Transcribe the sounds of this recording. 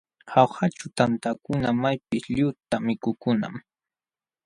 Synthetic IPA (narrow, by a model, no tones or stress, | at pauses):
hawhat͡ʃʊt̪ant̪akʊnamajpɪsʎʊt̪amɪkʊkʊna̰m